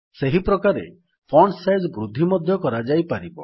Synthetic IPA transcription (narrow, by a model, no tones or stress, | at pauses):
seɦipɾɔkaɾḛ | pʰɔɳɖsajd͡ʒbɾud̪ʱːimɔd̪ʱjɔkɔɾad͡ʒajpaɾibɔ